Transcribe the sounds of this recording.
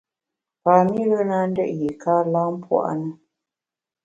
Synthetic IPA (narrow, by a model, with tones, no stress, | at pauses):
paː˨mi˦ɣə˦na˦n̩˦dɛ̰˦˨ʔji˨kaː˦la˦m˦pwa̰˦˨ʔnə˦